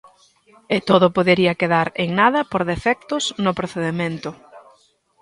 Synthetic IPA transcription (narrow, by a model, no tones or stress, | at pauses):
et̪oðʊpoðeɾiɐkeðaɾeŋnaðɐpoɾðefɛk̚t̪ʊsnʊpɾoθeðemẽnt̪ʊ